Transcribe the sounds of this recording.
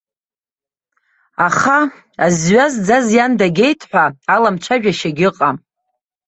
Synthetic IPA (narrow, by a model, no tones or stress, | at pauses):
aχa | azɥazd͡zazjandaɡʲe̞jtʰħʷaalamt͡ʃʷʰaʒᶣaʃaɡʲɪqʼa